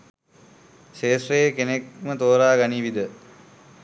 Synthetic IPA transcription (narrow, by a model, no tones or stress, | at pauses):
ʃeːsrejekenek̚mət̪oːɾaːɡaniʋid̪ə